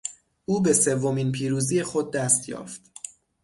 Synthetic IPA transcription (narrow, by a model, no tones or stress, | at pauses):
ʔuːbe̞se̞vːo̞miːnpʰiːɾuːziːje̞xo̞d̪̚ːæːst̪jɒ̰ːft̪